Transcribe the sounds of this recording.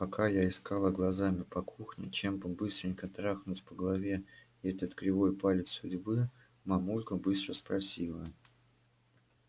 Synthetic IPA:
pɐkʰajaɪskalˠəɡlˠɐzamʲɪpɐkʰuxnʲɪ̰t͡ɕembɨbɨst̪ɾʲɪŋʲkət̪ɾaxnʊtʲpəɡəlˠɐvʲe | ɛt̪ət̪kɾʲɪvo̞jpalʲɪt̪sʊdʲbɨ | mɐmulʲkəbɨst̪ɾəspɾɐsʲilˠə

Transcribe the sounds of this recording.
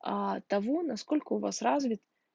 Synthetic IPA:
at̪ɐvonɐskolʲkəʊvasrazvʲɪt̪

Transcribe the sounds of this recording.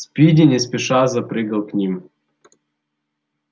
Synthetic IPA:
spʲidʲɪnʲɛsʲpʲɪʂazɐpɾɨɡɐlˠknʲim

